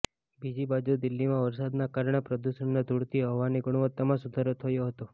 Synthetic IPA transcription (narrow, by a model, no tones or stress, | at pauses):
bid͡ʒibad͡ʒud̪ɪlːimãʋəɾsad̪nakaɾɳepɾəd̪uʃəɳnad̪ʱuɽt̪iɦəʋaniɡʊɽ̃ʋət̪ːamãsud̪ʱaɾot̪ʰəjoɦət̪o